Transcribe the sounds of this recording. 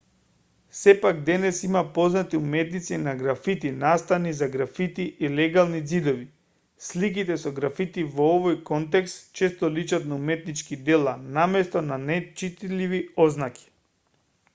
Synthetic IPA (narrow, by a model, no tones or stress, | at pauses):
sɛpaɡ̚d̪ɛnɛsimapoznat̪iumɛt̪nit̪sinaɡɾafit̪inast̪anizaɡɾafit̪iʔilɛɡalˠnid̪zid̪ɔvi | slik̬it̪ɛsɔɡɾafit̪ivoovojkɔnt̪ɛkst̪t͡ʃɛst̪ɔlit͡ʃat̪naumɛt̪nit͡ʃkid̪ɛlˠanamɛst̪ɔnanɛt͡ʃit̪liviɔznaki̥